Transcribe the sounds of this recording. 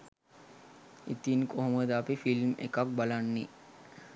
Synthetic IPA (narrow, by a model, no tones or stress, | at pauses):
it̪inkoɦoməd̪əapifilmḛkak̚balanːi